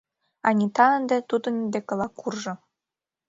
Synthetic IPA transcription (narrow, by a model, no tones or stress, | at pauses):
ɑnʲit̪ɑənd̪ĕt̪ud̪ɤ̆nind̪ekɤ̆lˠɑkːurʒɤ̆